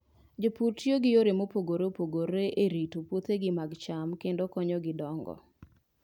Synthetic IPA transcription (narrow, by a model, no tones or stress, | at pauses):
d͡ʒopuɾtjoɡɪjoɾemopoɡoɾopoɡoɾeʔeɾitopwot̪eɡɪmaɡt͡ʃamkendokɔɲɔɡɪdɔŋɡɔ̰